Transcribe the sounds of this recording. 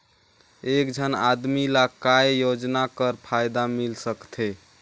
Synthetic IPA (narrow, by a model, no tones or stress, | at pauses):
ekd͡ʒʱəna̰d̪milakaejod͡ʒnakəɾpʰajd̪amilsəkt̪ʰe